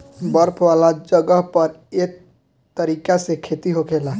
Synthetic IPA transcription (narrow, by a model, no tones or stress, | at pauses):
bəɾpʰwaːlad͡ʒəɡəɦpəɾek | t̪ːəɾiːkasekʰet̪iɦokʰela